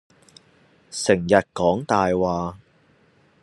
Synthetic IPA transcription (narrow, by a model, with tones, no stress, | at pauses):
sɪ˨˩ŋjɐ˨t̚kɔː˨˥ŋt̪aː˨jwaː˨˧